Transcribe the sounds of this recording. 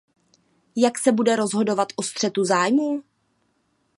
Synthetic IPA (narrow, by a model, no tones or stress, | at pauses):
jaksɛbudɛɾo̞zɦo̞do̞vat̪ʔost̪r̝̥ɛt̪uzaːjmuː